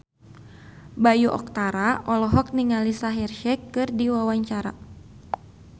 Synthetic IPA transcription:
bajuʔɔ̰k̚t̪aɾaʔɔlɔɦɔk̚niŋalisaɦɛrʃɛkːɨrdiwawaɲt͡ʃaɾa

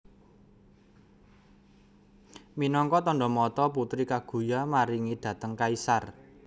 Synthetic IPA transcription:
minɔŋkɔt̪ɔnɖɔmɔt̪ɔp̬ut̪ɾikaɡ̥ṳjamaɾiŋid̪̥ä̤t̪əŋkaisar

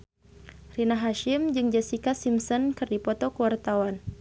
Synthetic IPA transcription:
rinaɦaʃimd͡ʒɨŋd͡ʒasikasimsɔnkɨrdipɔt̪ɔkəwart̪awan

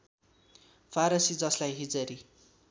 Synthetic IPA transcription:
pʰaɾʌsid͡zʌslajɦid͡zʌɾi

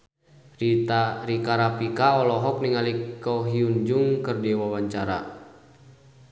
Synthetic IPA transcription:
riaɾikaɾapikaɔlɔɦɔk̚niŋalikɔɦiuɲd͡ʒuŋkɨrdiwawaɲt͡ʃaɾa̰

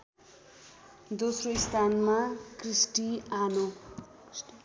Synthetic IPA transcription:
d̪osroist̪ʰanmakrisʈiano

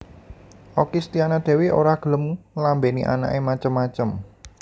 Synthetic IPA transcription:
ʔɔkist̪ianad̪̥ɛ̤weʔo̰ɾaɡ̥ə̤ləmulambeniʔa̰na̰ʔemat͡ʃəmːat͡ʃəm

